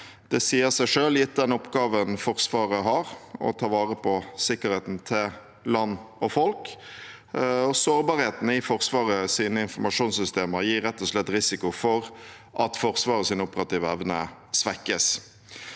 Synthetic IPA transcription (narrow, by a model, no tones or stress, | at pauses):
d̪̥ɛsiːəsæɪʂøːljɪt̪̚d̪ɛnɔpɡɑːʋənfɔʁsʋɑːɾəɦɑɾɔ̰t̪ʰɑːʋɑːʁəpʰɔsɪkːəɾheːt̪n̩t̪ʰɪl | lɑnːɔfɔlk | ɔsoːɾbɑːɾheːt̪n̩ɪfɔʁsʋɑːʁəsiːnəɪnfɔmɑʂuːnsʏst̪eːməɾjiːɾɛt̪ːɔslɛt̪ːɾɪsɪkʊfɔɾ | ʔɑt̪fɔɾsʋɑːʁəsɪnəʊpəɾɑt̪iːʋəɛʋnəsʋækːəs